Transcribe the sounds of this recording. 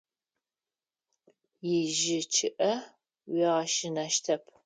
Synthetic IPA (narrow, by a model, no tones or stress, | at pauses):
jɪʒɪt͡ʃʰɪʔɐ | wiʁɐʃɪnɐʃtʰɐpʰ